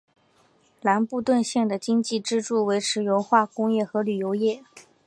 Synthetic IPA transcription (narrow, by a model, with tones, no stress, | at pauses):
la˧˥npu˥˧t̪wə˥˧nɕjɛ˥˩ŋd̪ə˩t͡ɕi˥ŋt͡ɕi˥˩ʈ͡ʂɻ̩˥ʈ͡ʂu˥˩we˧˥ɪʈ͡ʂʰɻ̩˧˥jo˧˥ʊxwa˥˩kʊ˥ŋjɛ˥˩xɤ˧˥ly˨˩jo˧˥ʊjɛ˥˩